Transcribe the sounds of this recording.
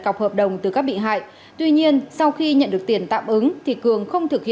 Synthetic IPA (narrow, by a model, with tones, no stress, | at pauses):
ka˨˩k͡p̚həː˨˩p̚ɗə˨˩wŋ͡mt̪ɨ˨˩kaː˦˥k̚ɓḭ˧˨ɦa̰ː˧˨j | t̪wi˧ɲi˧ənsa˧wxi˧ɲə̰˧˨nɗɨ˨˩ək̚t̪i˧˩ənt̪a̰ː˧˨mʔɨ˨˦ŋt̪ʰi˨˩kɨ˨˩əŋxə˧wŋ͡mt̪ʰɨ˨˩k̚hḭ˧